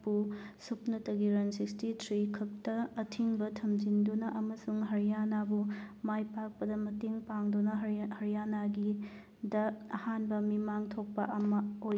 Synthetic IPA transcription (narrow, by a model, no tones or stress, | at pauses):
pusupnɐtɐɡiɾɐnsikstitʰɾikʰɐk̚tɐɐtʰiŋbɐtʰɐmd͡ʒindunɐʔɐmɐsuŋɦɐɾijanabumajpak̚pɐdɐmɐteŋpaŋdunɐhɐɾijanaɡi | dɐɐhanbɐmimaŋtʰok̚pɐʔɐmɐoj